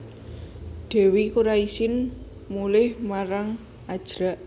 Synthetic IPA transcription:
ɖ̪̥e̤wikuɾaisɪn | mulɪhmaɾaŋ | ad̥ʒ̥ɾaʔ

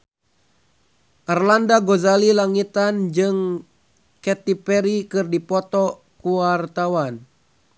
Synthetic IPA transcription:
ʔarlandaɡozalilaŋit̪and͡ʒɨŋ | kɛt̪ipɛɾikɨrdipɔt̪ɔ | kuart̪awan

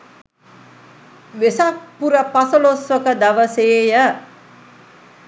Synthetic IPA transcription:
ʋesak̚puɾəpasəlosʋəkəd̪aʋəseːjə

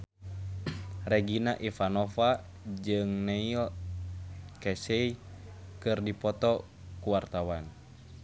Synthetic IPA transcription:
rɛɡinaʔifanɔfa | d͡ʒɨŋnɛiɔ | kɛsɛikɨrdipɔt̪ɔ | kuwart̪awan

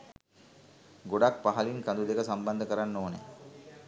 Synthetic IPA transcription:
ɡoɖak̚paɦaliŋkand̪ud̪ekəsamband̪əkəɾanːoːnḛ

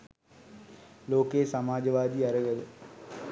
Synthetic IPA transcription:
loːkesɐmaːd͡ʒɐʋaːd̪iːɐɾɐɡɐl

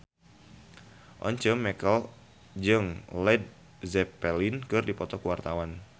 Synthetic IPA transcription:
ʔɔ̰ɲt͡ʃəmːɛkəl | d͡ʒɨŋlɛd̚ | zɛpɛlinkɨrdipɔt̪ɔkuwart̪awan

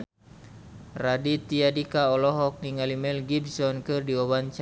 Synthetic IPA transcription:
radit̪iadikaɔlɔɦɔk̚niŋalimɛlɡibsɔnkɨrdiɔwant͡ʃ

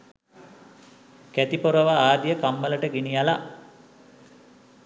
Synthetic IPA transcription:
kæt̪ipoɾəʋaaːd̪ijəkamːələʈəɡinijala

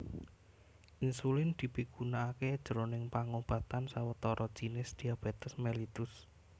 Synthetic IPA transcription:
ʔinsulɪnd̪̥i̤piɡ̥unaːked̥ʒ̥əɾonɪŋpaŋob̥a̤t̪ansawət̪ɔɾʔɔd̥ʒ̥i̤nɪsd̪̥i̤ab̥e̤t̪əsmelit̪ʊs

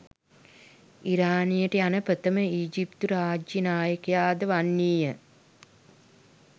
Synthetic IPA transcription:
iɾaːnijəʈəjanəpɾət̪əməiːd͡ʒipt̪uɾaːd͡ʒjənaːjəkejaːd̪əʋanːiːjə

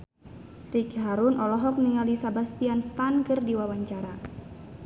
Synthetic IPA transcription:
rikɦaɾunʔɔlɔɦɔk̚niŋalisabast̪ianst̪ankɨrdiwawaɲt͡ʃaɾa

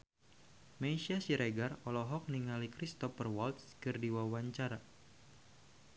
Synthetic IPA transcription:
meisiasiɾeɡarɔlɔɦɔk̚niŋalikɾist̪ɔfərwɔlt̪skɨrdiwawaɲt͡ʃaɾa

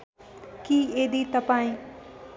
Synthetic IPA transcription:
kiːeːd̪iːt̪əpãːĩː

